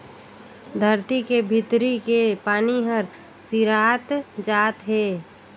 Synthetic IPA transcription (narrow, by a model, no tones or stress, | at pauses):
d̪ʱəɾt̪ikebʱɪt̪ɾikepaːniɦəɾ | siɾaːt̪d͡ʒaːt̪ɦeː